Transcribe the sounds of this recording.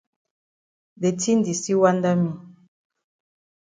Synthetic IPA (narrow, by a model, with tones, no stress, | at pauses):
be˨tʰi˦ndi˨si˦wa˦nda˦mi˦˨